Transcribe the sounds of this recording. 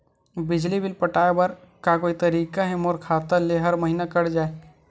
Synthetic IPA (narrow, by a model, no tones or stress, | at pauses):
bɪd͡ʒlibʱɪlpɐʈaːebɐɾ | kakoːit̪ɐɾiːkaɦɛmoːɾkʰaːt̪əɾleɦɐɾməɦiːnakɐɽd͡ʒaːe